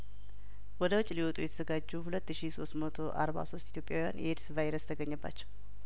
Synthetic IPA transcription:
wɔd̪əwɔt͡ʃʼːliwɔt̪ʼujɛt̪ʰəzəɡad͡ʒːuhulət̪ːɨʃiso̞st̪mət̪ʰo̞ʔa̰ɾba̰so̞st̪ʼit̪jo̞pʼjawja̰nʔeɾsvajɾəst̪ʰəɡəɲːəbːa̰t͡ʃːɛ̥w

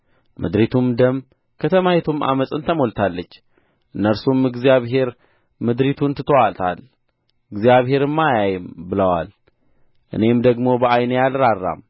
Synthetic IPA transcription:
mɨ̰d̪ɾit̪ʰumd̪əm | kʰət̪ʰəmahet̪ʰumʔa̰məsʼɨnt̪ʰəmolt̪ʰalːət͡ʃː | ʔɨnːəɾsumɨɡzijaβɦe̞ɾ | mɨd̪ɾit̪ʰunt̪ʰɨt̪ʰəwalt̪ʰa̰l | ɨɡzijaβɦe̞ɾɨmːajajɨmbɨləwa̰l | ʔɨ̰ne̞md̪əɡmo̞bəʔajnɐjalɾarːa̰m

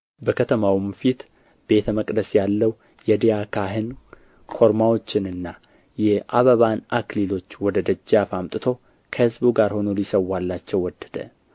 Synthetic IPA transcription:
bəkʰət̪ʰəmawɨmfit̪ | b̥e̞t̪ʰəməkʼd̪əsjalːəw | jɛd̪ijakʰaɦɨn | kʰo̞ɾmawo̞t͡ʃːɪnɨnːa | jɛʔaβəβanaklilo̞t͡ʃːwɔd̪əd̪əd͡ʒːafamt̪ʼɨt̪ʰo̞ | kʰəhɨzbuɡaɾho̞nolisəwːalːat͡ʃːɛwɔd̪̥ːə̥d̪ə̰

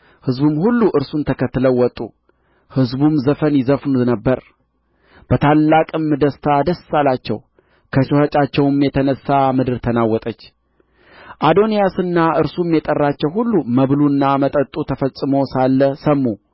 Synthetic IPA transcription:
hɨzbumhulːuʔɨɾsunt̪ʰəkʰət̪ːɨləwwːɔt̪ʼːṵ | hɨzbumzəfənjɪzəfnnəbːəɾ | b̥ət̪ʰalːakʼɨmd̪əst̪ʰad̪əsːalat͡ʃːɛ̰w | kʰət͡ʃohət͡ʃʼat͡ʃːɛwɨmjɛt̪ʰənəsːamɨd̪ɨɾt̪ʰənawːɔt̪ʼət͡ʃː | ʔad̪o̞nijasɨnːaʔɨɾsumjɛt̪ʼərːat͡ʃːɛwhulːuməβlunːamət̪ʼət̪ʼut̪ʰəfəsʼːɨmosalːəsəmːu

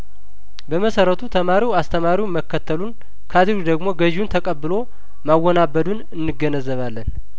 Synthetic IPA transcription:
bəməsəɾət̪ʰut̪ʰəmaɾiwast̪ʰəmaɾiwməkːət̪ʰːəlun | kʰad̪ɨɾud̪əɡmo̞ɡəʒunt̪ʰəkʼəbːɨlo̞ | mawːɔnabːəd̪unɨnːɨɡːənəzːəβalːən

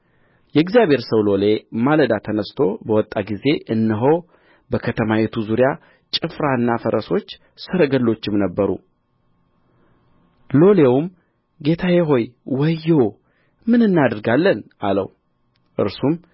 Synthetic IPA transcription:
jɛɡzjabʱhe̞ɾsəwlo̞le̞maləd̪at̪ʰənəst̪ʰo̞bəwɔt̪ʼːaɡize̞ʔɨnːɨɦo̞w | bəkʰət̪ʰəmawet̪ʰuzuɾja | t͡ʃʼɨfɾaɨnːafəɾəso̞t͡ʃː | sɨɾəɡəlːo̞t͡ʃːɪmnəbːəɾṵ | lo̞lewum | ɡe̞t̪ʰajeɦo̞jwəjːew | mɨnɨnːad̪ɨɾɡalːənʔalə̰w | ʔɨ̰ɾsum

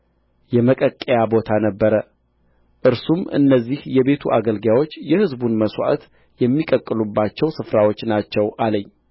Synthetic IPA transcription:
jɛməkʼəkʼːejabo̞t̪ʰanəbːəɾə | ʔɨɾsumɨ̰nːəzːihjɛbe̞t̪ʰuʔaɡəlɡawo̞t͡ʃːjɛhɨzbunməswa̰ʔt̪ | jɛmːikʼəkʼːɨlubːat͡ʃːɛwsɨfɾawo̞t͡ʃːnat͡ʃːɛwʔaləɲː

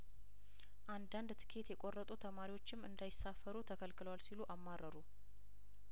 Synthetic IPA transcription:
ʔand̪and̪t̪ʰɨ̥kʰe̞t̪jɛkʼo̞rːət̪ʼut̪ʰəmaɾiwo̞t͡ʃːɪmːɨnd̪ajɪsafːəɾut̪ʰəkʰəlkɨləwalsiluʔamːarʔəɾu

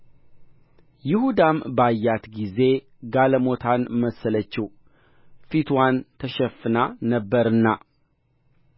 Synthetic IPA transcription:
jɪhud̪ambajːat̪ɡize̞ | ɡaləmo̞t̪ʰanməsələt͡ʃːɪh | fit̪ʰwant̪ʰəʃɛfːɨnanəbːəɾɨnːa

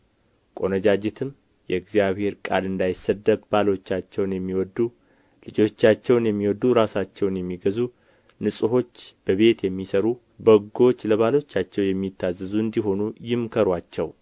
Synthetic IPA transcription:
kʼo̞nəd͡ʒad͡ʒet̪ʰɨm | jɛɨɡzijaβhe̞ɾkʼalɨnd̪ajɪsːəd̪ːəbbalo̞t͡ʃːat͡ʃːɛwnjɛmːiwɔd̪ːu | lɨd͡ʒo̞t͡ʃːat͡ʃːɛwnjɛmːiwɔd̪ːuɾasat͡ʃːɛwnjɛmːiɡəzu | nɨsʼɨɦo̞t͡ʃːb̥əβe̞t̪jɛmːisəɾu | bəɡo̞t͡ʃːləβalo̞t͡ʃːat͡ʃːɛwjɛmːit̪ʰːazːɨzuɨnd̪iɦo̞nujɪmkʰəɾwat͡ʃːɛw

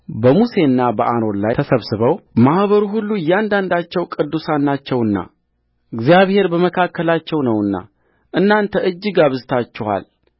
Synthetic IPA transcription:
bəmuse̞ɨnːabəʔano̞nlajtʰəsəβsɨβəwmahβəɾuɦulːujːand̪and̪at͡ʃːɛwkʼɨd̪ːusanːat͡ʃːɛwɨnːa̰ | ɨɡzijaβhe̞ɾbəməkʰakʰːəlat͡ʃːɛwnəwɨnːa̰ | ʔɨnːant̪ʰəɨd͡ʒːɨɡaβɨzɨt̪ʰat͡ʃːɛwa̰l

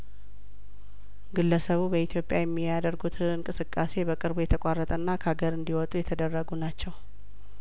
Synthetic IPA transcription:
ɡɨlːəsəβubəit̪ʰjo̞pʼjajɛmːijad̪əɾɡut̪ʰɨɨŋkʼɨsɨkʼːase̞bəkʼɨɾbujɛt̪ʰəkʷʼarːət̪ʼənːakʰaɡəɾɨnd̪iwɔt̪ʼujɛt̪ʰəd̪ərːəɡunat͡ʃːɛw

